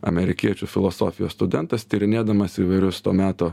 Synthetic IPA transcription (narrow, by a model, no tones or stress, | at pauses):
ɐ̰mʲɛɾʲɪkʲiɛt͡ʃʲufʲɪlˠɔsɔfʲɪjoːsst̪ʊd̪ʲɛnt̪ɐst̪ʲiɾʲɪnʲeːd̪ɐmɐsiːʋɐɪɾʲʊst̪oːmʲæːt̪oː